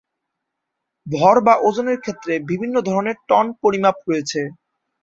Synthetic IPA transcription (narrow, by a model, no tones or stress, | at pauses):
bʱɔɾbaʔod͡ʑoneɾkʰet̪ːɾebibʱinːod̪ʱɔɾoneɾʈɔnpoɾimap̚ɾojet͡ɕʰe